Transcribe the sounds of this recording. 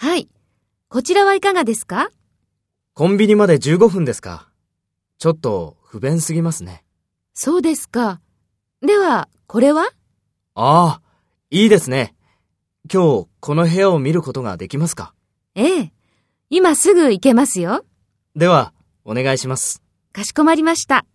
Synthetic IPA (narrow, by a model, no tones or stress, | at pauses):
hai | ko̞t͡ɕiɾaβaikaɡad̪e̞sɨ̥ka | kõ̞mbʲiɲ̟imad̪e̞d͡ʑɨːɡo̞ɸɯ̟̃nd̪e̞sɨ̥ka̰ | t͡ɕo̞t̪ːo̞ɸɯ̟bẽ̞ɰ̃sɨɡʲimasɨne̞ | so̞ːd̪e̞sɨ̥ka | d̪e̞βa | ko̞ɾe̞βa | aː | iːd̪e̞sɨne̞ | kʲo̞ːkʰo̞no̞ɦe̞aomʲiɾɯ̟ko̞t̪o̞ɡa̰d̪e̞kʲimasɨ̥ka | eː | imasɨɡɯ̟ike̞masɨjo̞ | d̪e̞βa | o̞ne̞ɡaiɕimasɨ̥ | kaɕi̥ko̞maɾʲimaɕi̥t̪a